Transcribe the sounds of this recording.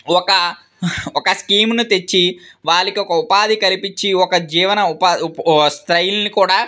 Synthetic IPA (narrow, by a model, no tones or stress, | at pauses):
ɔkɐ | ɔkɐskiːmnut̪e̞t͡ʃːiʋaːlːɐkiɔkɐupaːd̪ikɐlipit͡ʃːiɔkɐd͡ʒiːʋɐnɐupaːst̪ɾɐjlnikuːɽaː